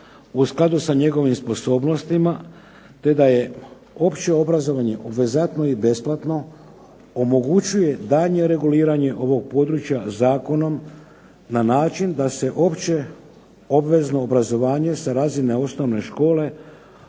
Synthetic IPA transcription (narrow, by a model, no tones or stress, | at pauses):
usklˠad̪usaɲe̞ɡo̞ʋimspo̞so̞ːbno̞st̪ima | t̪e̞d̪aje̞ | o̞pt͡ɕe̞o̞bɾazo̞ʋaɲe̞ʔobʋe̞zat̪no̞ibe̞splˠat̪no̞ | omo̞ɡut͡ɕuje̞d̪aːʎɲe̞ɾe̞ɡuliːɾaɲe̞ʔo̞ʋo̞ɡ̚po̞ːd̪ɾut͡ʃjazaːko̞no̞m | nanaːt͡ʃind̪ase̞ʔo̞pt͡ɕe̞ | o̞bʋe̞zno̞ːbɾazo̞ʋaːɲe̞saɾazineo̞sno̞ʋne̞ʃko̞ːle̞